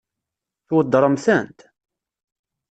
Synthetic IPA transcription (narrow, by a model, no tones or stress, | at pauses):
θwəd̪ːəɾˤəmθænt̪